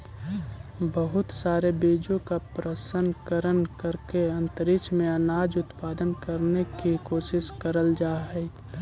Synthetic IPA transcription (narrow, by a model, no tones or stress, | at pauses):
bəɦʊt̪saːɾebeːd͡ʒõkapɾəsənkəɾənkəɾkeɐ̃nt̪əɾɪkt͡ʃʰmẽɐnaːd͡ʒʊt̪paːd̪ənkəɾnekikoːʃɪʃkəɾəld͡ʒaːɦɛ